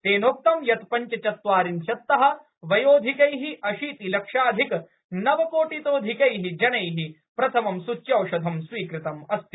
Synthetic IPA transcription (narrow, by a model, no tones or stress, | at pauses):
t̪eːnoːk̚t̪ɐmjɐt̪pɐɲt͡ʃɐt͡ʃɐt̪ʋaːɾinʃɐt̪ːɐɦɐ̆ | ʋɐjoːd̪ʱikɐjɦiʔɐʃiːt̪ilɐkʂaːd̪ʱik | nɐʋɐkoːʈit̪oːd̪ʱikɐjɦid͡ʒɐnɐjɦi | pɾɐt̪ʰɐmɐmsut͡ʃːjɐwʃɐd̪ʱɐmsʋiːkɾɪt̪ɐmɐst̪i